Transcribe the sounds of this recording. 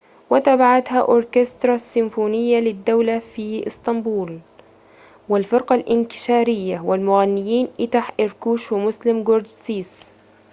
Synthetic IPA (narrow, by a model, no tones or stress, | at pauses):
wɪt̪abaʕat̪haʔʊɾˤkɪst̪ɾˤɑsːɪmfuːnɪjːalɪd̪ːawlafiːʔɪst̪ɑmbuːl | wɪlfɪɾqɑlʔɪnk̪ɪ̥ʃaːɾɪjːawɪlmʊɣanːɪjiːnʔɪt̪aħʔɪɾkuːʃwɪmʊslɪmɡoɾd͡ʒsiːs